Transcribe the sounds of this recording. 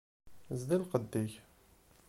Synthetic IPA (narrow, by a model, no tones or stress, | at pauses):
zd̪ilqəd̪ːiç